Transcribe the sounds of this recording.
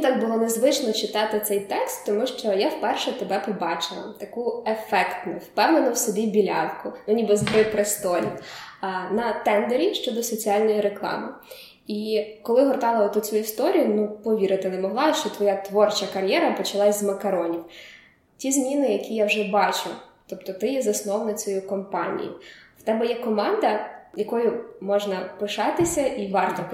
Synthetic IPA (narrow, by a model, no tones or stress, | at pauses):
t̪ɑɡ̚bʊlˠɔnezʋɪt͡ʃnɔt͡ʃɪt̪ɑt̪ɪt̪sɛjt̪ɛkst̪ːɔmuʃt͡ʃɔjawpɛrʃɛt̪ebɛpɔbɑt͡ʃɪlˠɐ̰t̪ɐkuefɛkt̪nʊwpɛwnenʊwsʊbʲibʲilʲɑ̰nkʊnʊnʲibɪzbɾɪpɾɪst̪ɔɾʲḭ | nɐt̪ɛnd̪eɾʲiʃt͡ʃɔd̪ɔsɔt͡sʲialʲnɔjiɾeklˠɑ̰mɪ | ikɔlˠɪɦɔrt̪ɑlˠɐɔt̪ɔt͡sʲuist̪ɔɾʲijʊnupɔʋʲiɾɪt̪ɪnɛmɔɦlˠɑʃt͡ʃɔt̪ʋɔjat̪ʋɔrt͡ʃɐkɐɾʲjɛɾɐpɔt͡ʃɐlˠɑsʲzmɐkɐɾɔnʲiw | tʲizmʲinɪjɐkʲijawʒɛbɑt͡ʃʊt̪ɔp̚t̪ɔt̪ɪjɛzɐsnɔwnɐt͡sʲɔjukɔmpɑnʲḭjʊwt̪ɛbɛjɛkɔmɑnd̪ɐjɐkɔjʊmɔʒnɐpɪʃɑt̪ɪsʲɐʔiʋɑrt̪ɔ